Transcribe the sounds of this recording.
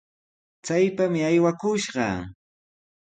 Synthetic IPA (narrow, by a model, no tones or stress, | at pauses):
t͡sajpamɪajwakʊʃɢɑ̰